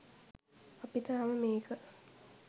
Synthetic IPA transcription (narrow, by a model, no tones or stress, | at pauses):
ɐpit̪aːʋəmeːkə